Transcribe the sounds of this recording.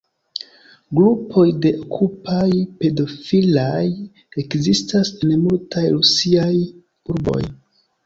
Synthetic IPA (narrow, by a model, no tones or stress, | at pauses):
ɡɾupʰo̞jde̞okʰupajpe̞do̞filaj | e̞kzistasenmultʰajɾusiaj | uɾbo̞̰j